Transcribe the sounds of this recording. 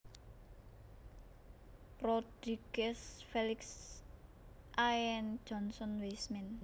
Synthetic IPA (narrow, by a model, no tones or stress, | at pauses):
rɔd̪̥ɾiɡ̥ɛsfelɪks | ʔaɛnd͡ʒ̥ɔ̤nsɔnwesmɛn